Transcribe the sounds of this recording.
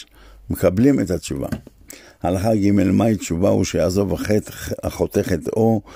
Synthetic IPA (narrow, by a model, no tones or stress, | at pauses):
mekablimet̪hat͡ʃuva̰ | halaχaɡime̞lmait͡ʃuvaṵʃejaːzo̞vaχetaχo̞t̪e̞χet̪o̞